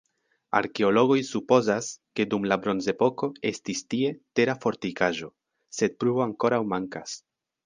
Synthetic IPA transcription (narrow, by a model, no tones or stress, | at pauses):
a̰ɾke̞o̞lo̞ɡo̞jsupo̞zaske̞dumlabɾo̞nze̞po̞ko̞e̞stistie̞te̞ɾafo̞ɾtikaʒo̞ | se̞d̚pɾubo̞aŋko̞ɾawmaŋkas